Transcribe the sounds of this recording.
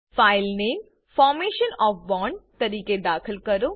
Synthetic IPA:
faːɪlneːm | fɔːɾmeːʃənɔːfʋɔ̃ːɳɖt̪ɐɾiːked̪aːkʰəlkɐɾo

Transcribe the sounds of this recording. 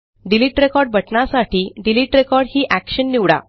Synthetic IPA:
ɖiliːʈɾekɔɾɖbʱəʈnasaʈiːɖiliːʈɾekɔɾɽhiːʔækɕənːiʋɽa̰

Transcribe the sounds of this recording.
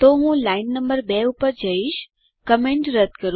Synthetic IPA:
t̪oɦũlaɪnːəmbəɾbɛupəɾd͡ʒəiʃ | kəmẽɳʈɾəd̪ʱkəɾ

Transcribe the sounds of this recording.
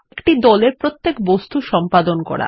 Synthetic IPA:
kʈid̪ɔleɾpɾot̪ːekbost̪uʃɔmpad̪onkɔ̰ɾa̰

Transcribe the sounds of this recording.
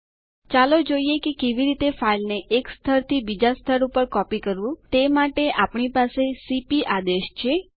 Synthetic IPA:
t͡ʃalod͡ʒoiekekeʋiɾit̪efailneʔekst̪ʰəɾt̪ʰibid͡ʒast̪ʰəɾupəɾkɔpikəɾʋũt̪emaʈeʔapɳipasesipiʔad̪eʃt͡ʃʰe

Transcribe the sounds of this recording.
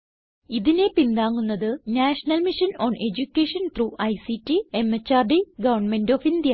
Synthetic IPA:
iðine̞pind̪aːŋːunːɐðɨnaːʂɐnɐlmiʂɐnoːne̞d͡ʑukʲːeːʂɐnt̪ruːʔɐjsitːiemːɐt͡ɕːaːrɖiɡɐʋɐrɳme̞ndofind̪jɐ

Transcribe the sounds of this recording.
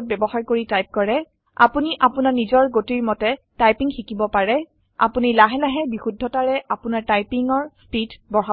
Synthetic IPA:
t̚bɛbɔxaɹkoɹitajp̚kɔɹɛ | a̰puniʔapunaɹnizɔɹɡotiɹmɔtɛtajpiŋxikibɔpaɹɛ | a̰punilaɦɛlaɦɛbixudʱɔtaɹɛʔapʊnaɹtajpiŋɔɹspidbɔɹɦa

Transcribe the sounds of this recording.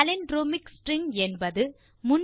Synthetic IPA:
ɐlɪnɖɾoːmɪksʈɾɪŋɛnbɐðɯ | mʊn

